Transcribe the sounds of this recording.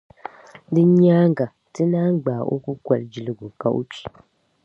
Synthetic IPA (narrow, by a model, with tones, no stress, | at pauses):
dɨ˦ɲ˦aː˦ŋ˦ɡa˨ | tɨ˦naː˦ŋ˦ɡ͡baː˨ʔo˦ku˦kʷa˨ld͡ʒi˨lɨ˦ɡu˨ka˨ʔo̰˦pi̥˨